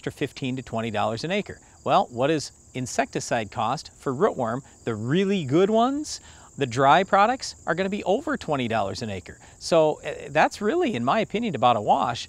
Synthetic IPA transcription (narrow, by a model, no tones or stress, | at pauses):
tɹ̥ʌ̥fɪftʰĩntɨtʰw̥ɛ̃ɾ̃idɔ̰lˠə˞zɨ̃neɪkə̰˞ | wɛlˠwʌɾɪz | ɨ̃nsɛk̚tɨsaɪd̚kʰɔstfə˞ɹʊʔwə̃˞m | ðɨɹɪlˠiɡʊd̚wʌ̃nz̥ | ðɨdɹaɪpʰɹ̥ɑɾɨk̚tsʔə̰˞ɡʌñɨbiʔoʊvə˞tʰw̥ɛ̃ɾ̃idɔ̰lˠə̰˞zɨ̃neɪkə̰˞ | soʊðætsɹɪlˠiɨ̃nmaɪɨpʰɪ̃njɨ̃nɨbaʊɾəwɑʃ